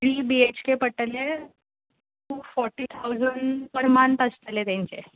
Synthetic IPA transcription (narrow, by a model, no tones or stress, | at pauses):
ɽiːbiet͡ɕkepəʈəle | ufɔɾʈːiːt̪ʰawd͡zəɳɖpəɾmant̪əst̪let̪jãɲt͡se